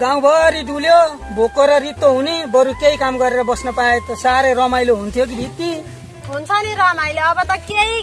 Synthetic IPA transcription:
ɡaw̃bʱʌɾiɖuljo | bʱokːoɾʌrit̪ːoɦunibʌɾukeikamɡʌɾeɾʌbʌsnʌpaet̪ʌsaɾʌjrʌmajloɦunt̪ʰjok̬idʱit̪i | ɦunt͡sʰʌniɾʌmajloːbʌt̪ʌkei

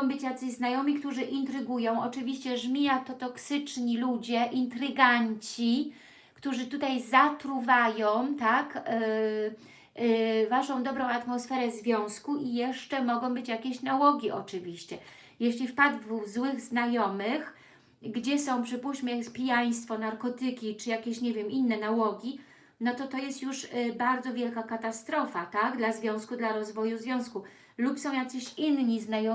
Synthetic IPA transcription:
w̃bɘt͡ɕjat̪sɘʑznajɔmʲikt̪uʐɘʔint̪ɾɘɡujɔ̃w̃ɔt͡ʂɘvʲiɕt͡ɕɛʐmʲiat̪ɔt̪ɔksɘt͡ʂɲilud͡ʑɛʔint̪ɾɘɡaɲt͡ɕi | kt̪uʐɘt̪ut̪ajzat̪ɾuvajɔ̃w̃t̪ak | vaʂɔ̃w̃d̪ɔbɾɔ̃w̃at̪mɔsfɛɾɛzvʲjɔ̃w̃skuʔijɛʂt͡ʂɛmɔɡɔ̃w̃bɘt͡ɕjakʲeɕnawɔɡʲiʔɔt͡ʂɘvʲiɕt͡ɕɛ | jɛɕlʲifpad̪vzwɘɣznajɔmɘx | ɡd͡ʑɛsɔ̃w̃pʂɘpuɕmɛjkspʲijaj̃st̪fɔnaɾkɔt̪ɘkʲit͡ʂɘjakʲeɕɲɛvʲjɛminːɛnawɔɡʲi | nɔt̪ɔt̪ɔjɛst̪juʂbaɾd̪zɔvʲjɛlkakat̪ast̪ɾɔfat̪aɡd̪lazvʲjɔ̃w̃skud̪laɾɔzvɔjuzvʲjɔ̃w̃sku | lupsɔ̃w̃jak̪sɘɕinɲiznajɔ

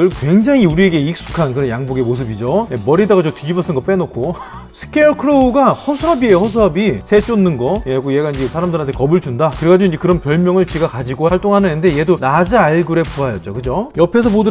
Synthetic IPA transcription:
ɯɭkwe̞ŋd͡ʑaŋiuɾie̞ɡe̞ik̚s͈u̥kʰankɯɾʌnjaŋboɡe̞mos̬ʰɯbid͡ʑoemʌɾidaɡad͡ʑotid͡ʑibʌs͈ɯnɡʌp͈enok͈ʰo | sʰɯ̥kʰekʰɯɾouɡahʌsʰuɾʌbiehʌs̬ʰuʌbisʰe̞t͡ɕ͈onːɯnɡʌjeɡojeɡaind͡ʑisʰaɾamdɯɾantʰekʌbɯɭt͡ɕundakɯɾekad͡ʑuiɲd͡ʑekɯɾʌnpjʌɭmjʌŋɯɭt͡ɕiɡakad͡ʑiɡohaɭt͈oŋɦanɯnende̞je̞donad͡ʑaaɭɡɯɾe̞puajʌt̚t͡ɕ͈okɯd͡ʑojʌpʰe̞s̬ʰʌpodu

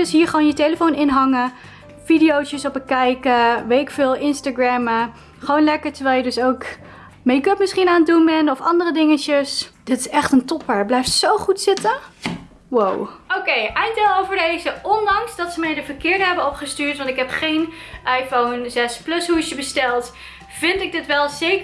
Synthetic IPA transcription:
dɵsɦiːɹχəʋoːnjətejləfownɪnɦɑŋə | fidijowt͡ʃəsɔpəkɛjkəʋetɪkfɪːlˠʔɪnstaɡɹɛmə | χəʋownlɛkəɹtəɹʋɛːlˠjədɵsowk | mejkɵpmɪsχinaːnətdunɛnɔfɑ̰ndərədɪŋət͡ʃəsd̥ɪtɪsɛχtəntɔpaɹblɛjftsowχutsɪtə | wowowkejʔɛjndelˠowvəɹdejzəʔɔndɑŋsdɑtsəmɛjdəvəɹkɪːɹdəɦɛbənɔpχəstyːɹtʋɑntɪkɦɛpχejn | ʔɑjfownzɛsplɵshuɪsəbəstɛlˠt | v̥ɪntɪɡ̚dɪtʋɛlˠzek

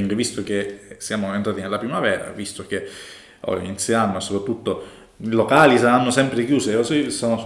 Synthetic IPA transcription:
ŋkevist̪ok̟esːjaːmoent̪ɾaːt̪inelːapɾimavɛːɾa̰vist̪ok̟e | ɔ̰inseamːoesːopɾat̪ːut̪ːo | ilokaːlisaanːosɛmpɾek̟juːseosesɔno

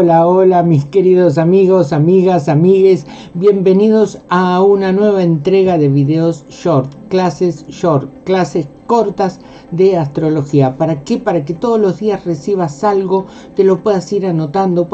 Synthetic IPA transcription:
olaolamiske̞ɾiðos̬amiɣosamiɣasamiɣe̞s | bje̞mbe̞niðo̞saunanwe̞β̞aent̪ɾeɣaðe̞βiðeos | ʃoɾt̪klasesʃoɾt̪klasesko̞ɾt̪az | ðeast̪ɾo̞lo̞xiapaɾakepaɾaket̪oð̞ozlo̞zðiasresiβ̞asalɣo̞ | t̪e̞lo̞pwe̞ðasiɾano̞t̪and̪o

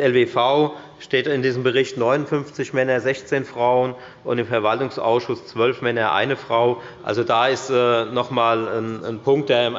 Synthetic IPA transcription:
ɛlvefaʊ | ʃteːtɪndiːzəm̩bəʁɪçtnɔʏnʊnfʏnft͡sɪçmɛnɐzɛçt͡seːnfʁ̥aʊən | ʔʊntɪmfɛɐvaltʊŋsʔa̰ʊsʃʊst͡sv̥œlfmɛnɐʔa̰ɪnəfʁ̥aʊ | ʔa̰lzodaːɪstɛːnɔχmaːlənnpʰʊŋk̚td̥eːɐɪm

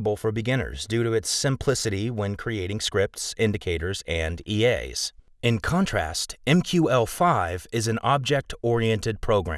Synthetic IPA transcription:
bl̩ˠfə˞bɨɡɪ̃nə̰˞zdʉɾɨɨtsɨ̃mpʰl̥ɪsɨɾiwɛ̃nkʰɹ̥ieɪɾɪ̃ŋskɹɪp̚tsɪ̃ndɨkʰeɪɾə˞zɨ̃ndieɪz̥ | ɨ̃nkʰɑ̃ntʰɹ̥æ̰stɛ̃mkʰj̥ʉɛlˠfaɪvɪzɨ̃nɑb̚d͡ʒɛk̚tʰɔɹiɛ̃ntɨd̚pʰɹ̥oʊɡɹæ̰̃

